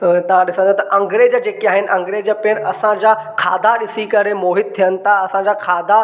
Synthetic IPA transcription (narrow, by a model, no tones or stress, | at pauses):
t̪ɐʋ̤ãɗɪsə̃nd̪at̪ɐʔɐ̃ŋɡɾeːd͡ʑəd͡ʑeːkiaːɦɪnɪ̆ʔɐ̃ŋɡɾeːd͡ʑəpeəɽ̃ɐsãd͡ʑakʰa̰ːd̪ʱaɗɪsikɐɾemoːɦɪd̪̚t̪ʰːijənɪ̆t̪ʰaɐsãd͡ʑakʰaːd̪ʱa